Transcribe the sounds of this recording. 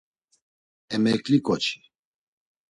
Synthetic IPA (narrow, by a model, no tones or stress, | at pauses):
ɛmɛklikɔt͡ʃʰi̥